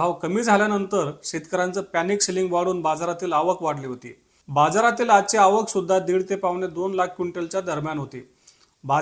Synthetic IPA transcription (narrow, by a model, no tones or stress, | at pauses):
ɦãwkəmiːd͡zʱaljanənt̪əɾɕit̪kəɾant͡səːpænikɕeliŋɡʋaɽuːnbad͡zaɾat̪iːlaʋəkʰʋaɽ̤liːɦot̪ḭː | bad͡zaɾat̪iːladt͡ɕeaʋəksud̪ʱːad̪iːɽt̪epaʋned̪onlakʰkuɳʈelt͡ɕjad̪əɾmjanɦot̪ḭː | ba